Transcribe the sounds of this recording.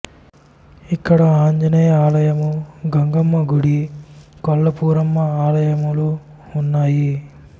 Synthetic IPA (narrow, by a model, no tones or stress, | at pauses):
ikːɐɽɐaːɲd͡ʒɐnɐjɐaːlɐjɐmuɡɐŋɡɐmːɐɡuɽikɔlːɐpuːɾɐmːɐaːlɐjɐmuluː | nːaːji